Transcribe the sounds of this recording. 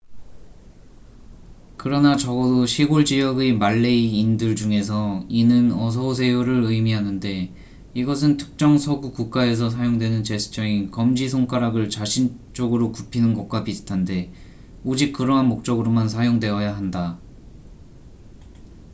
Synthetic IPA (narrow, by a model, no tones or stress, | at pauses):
kɯɾʌnat͡ɕʌɡʌdoɕʰiɡoɭd͡ʑijʌɡemaɭːe̞iːndɯɭd͡ʑuŋe̞s̬ʰʌinɯnʌs̬ʰʌosʰe̞joɾɯɾɯjmiɦanɯnde̞ | iɡʌs̬ʰɯntʰɯ̥k̚t͡ɕ͈ʌŋsʰʌɡukuk̚k͈ae̞s̬ʰʌs̬ʰajoŋdwe̞nɯnt͡ɕe̞sʰɯ̥t͡ɕ͈ʌŋikʌmd͡ʑisʰoŋk͈aɾaɡɯɭt͡ɕaɕʰin | t͡ɕ͈ʌɡɯɾokupʰinɯnɡʌk̚k͈wapisɯtʰande̞ | od͡ʑik̚k͈ɯɾʌɦanmok̚t͡ɕ͈ʌɡɯɾomans̬ʰajoŋdwe̞ʌjaɦanda